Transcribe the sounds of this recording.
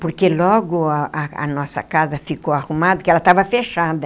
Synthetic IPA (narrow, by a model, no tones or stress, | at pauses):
poɾkelɔɡʊɐɐ̰nɔsɐ̰kazɐfikoaʁumad̪ɐkɪɛlɐt̪avɐfeʃad̪ɐ